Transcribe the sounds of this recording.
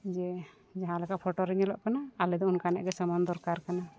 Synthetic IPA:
d͡ʒɛ | d͡ʒaɦãlɛkaʔpʰɔʈɔɾɛɲɛlɔʔkanaːlɛd̪ɔunkanɛʔɡɛsəmand̪ɔɾkaɾkana

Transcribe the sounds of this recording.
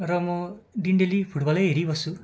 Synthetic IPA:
ɾɔmɔɖiɳɖelipʰuʈbɔlejeɾibɔsu

